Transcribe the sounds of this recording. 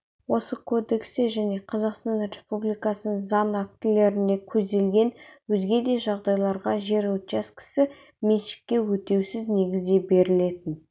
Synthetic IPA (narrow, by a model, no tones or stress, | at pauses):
wo̞səkʰo̞d̪e̞kseʒæne̞qʰɑzɑqst̪ɑnɾe̞spublijkɑsənəŋzɑnæk̚t̪ɪle̞ɾɪnd̪e̞kʲʰɵzd̪e̞lɡʲe̞nwɵzɡʲe̞d̪e̞ʒɑʁd̪ɑjlˠɑɾʁɑʒe̞ɾɑwt͡ʃɑskʲʰɪ̥sɪ | meʃɪ̥k̚ʲːe̞wɵt̪e̞wsɪzne̞ɡʲɪzd̪e̞be̞ɾɪle̞t̪ɪn